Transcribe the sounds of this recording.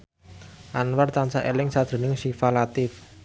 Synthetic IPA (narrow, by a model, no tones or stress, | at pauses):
ʔanwart̪ant͡ʃaʔelɪŋsad̪̥e̤nɪŋʃifalat̪ɪf